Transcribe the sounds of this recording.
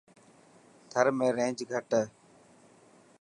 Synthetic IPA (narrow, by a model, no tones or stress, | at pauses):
t̪ʰəɾmẽːɾẽːd͡ʒɡʱəʈ